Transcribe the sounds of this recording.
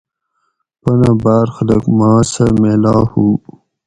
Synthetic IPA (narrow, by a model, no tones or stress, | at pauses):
pɐnabaːɾxɐlɐkmaːsɐmeːlaːhu